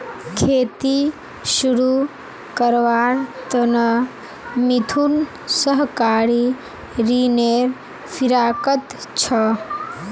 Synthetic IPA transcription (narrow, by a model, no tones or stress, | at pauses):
kʰeːt̪i | ʃuɾu | kəɾʋaːɾt̪ənə | mit̪ʰun | səɦkaːɾi | ɾineːɾ | fʰiɾaːkət̪t͡ʃʰə